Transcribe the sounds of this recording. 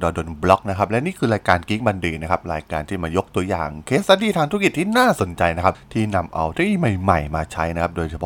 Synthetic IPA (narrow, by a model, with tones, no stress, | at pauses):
dɔː˧do˧nblɔ˦˥k̚na˦kʰa˦˥p̚lɛ˦˥niː˥˩kʰɯː˧ɾaː˧jkaː˧nki˦˥ŋ̚ba˧ndiː˧˩na˦˥kʰa˦˥p̚ɾaː˧jkaː˧nt̪ʰiː˥˩maː˧jo˦˥k̚t̪u˧ɐja̰ː˨˩ŋkʰeː˦˥ssaː˧diː˧˩t̪ʰaː˧ŋt̪ʰki˨˩t̪ʰːiː˥˩naː˥˩so˨˩˦nt͡ɕa˧jna˦˥kʰa˦˥t̪ʰiː˥˩na˧mʔa̰˧wt̪iː˥˩ma˨˩jma˨˩jmaː˧t͡ɕʰa˦˥jna˦˥kʰa˦˥p̚doː˧jt͡ɕʰa˧pʰ